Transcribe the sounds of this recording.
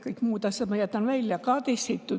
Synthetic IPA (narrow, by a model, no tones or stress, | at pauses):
kɤikmuːt̪ɑsʲjɑt̪mɑjæt̪ːɑnʋælʲjjɑkɑt̪esit̪ːu